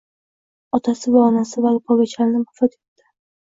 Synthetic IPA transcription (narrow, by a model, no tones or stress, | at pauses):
ɒt̪ʰasɪbaɒnasɪvalpʰɒɡʲat͡ʃʰaɾnɪmʊfɒt̪et̪ːɪ̥